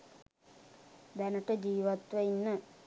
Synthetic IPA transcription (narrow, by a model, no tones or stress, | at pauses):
d̪ɐnɐʈːed͡ʑiːʋɐt̪ʋɐjinːɨ